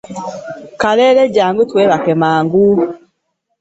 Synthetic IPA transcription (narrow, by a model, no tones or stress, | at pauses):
kalɛlɛɟaːŋɡutwɛβakɛmaːŋɡu